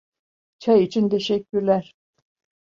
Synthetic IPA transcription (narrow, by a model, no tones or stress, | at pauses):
t͡ʃʰajit͡ʃʰint̪ʰeʃɛkʲːyɾlæɾ